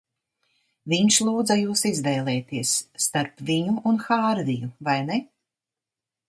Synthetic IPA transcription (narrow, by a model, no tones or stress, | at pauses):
viɲʃlˠuːd̪zajuːsizvɛːlˠɛːt̪iɛsːt̪aɾpviɲuːnxaːɾvijuvajnɛ